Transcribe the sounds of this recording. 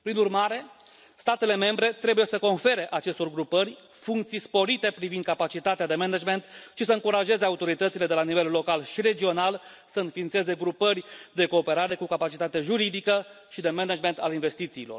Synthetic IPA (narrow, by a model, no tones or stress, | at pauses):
pɾinurmaɾe̞ | st̪at̪e̞le̞me̞mbɾe̞t̪ɾe̞buje̞səko̞nfe̞ɾe̞ʔat͡ʃe̞st̪o̞rɡɾupəɾʲ | fuŋkt̪sijspo̞ɾit̪e̞pɾivind̪kapat͡ʃit̪at̪ead̪e̞mened͡ʒme̞nt̪ʃisəɨŋkuɾaʒe̞ze̞aut̪o̞ɾit̪ət̪sile̞d̪e̞lanive̞lːo̞kalʃiɾe̞d͡ʒio̞nal | səɨnfiːnt̪seze̞ɡɾupərʲd̪e̞ko̞ːpe̞ɾaɾe̞kukapat͡ʃit̪at̪eʒuɾid̪ikə | ʃid̪e̞menad͡ʒme̞nt̪alinve̞st̪it̪siːlo̞r